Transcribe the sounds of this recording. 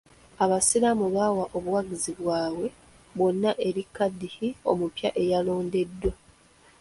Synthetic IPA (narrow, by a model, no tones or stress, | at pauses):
aβasiɾamuβawaʔo̞βuwaɡiziβwaːwe̞ | βwo̞nːaʔe̞ɾikːadːihio̞̰mupja̰ʔe̞jalo̞ːnde̞dːo̞